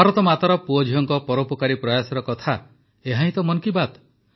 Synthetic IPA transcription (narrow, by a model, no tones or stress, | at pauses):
baɾɔt̪ɔmat̪aɾɔpuɔd͡ʒʱijɔŋkɔpɔɾopɔkaɾipɾɔjasɔɾɔkɔt̪ʰa | eɦaɦĩt̪ɔmɔnkibat̪